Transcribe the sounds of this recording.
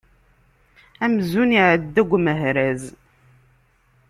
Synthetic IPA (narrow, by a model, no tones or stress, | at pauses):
æmzuniʕəd̪ːæɡʷːməɦɾæz